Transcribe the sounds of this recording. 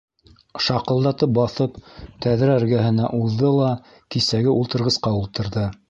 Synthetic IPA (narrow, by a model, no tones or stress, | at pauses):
ʃɑqɤ̆lˠd̪ɑt̪ɤp̚bɑθɤpt̪æðɾææɾɡæɦɘ̆næʔuðːɤlˠɑ | kisæɡɘʔulˠt̪ɤ̆ɾʁɤ̆sqɑulˠt̪ɤ̆ɾðɤ